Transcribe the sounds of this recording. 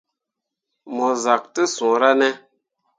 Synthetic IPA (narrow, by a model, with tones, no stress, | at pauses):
mɔ˨za˨k̚tɨ˦sũ˨ɾa˦nɛ˦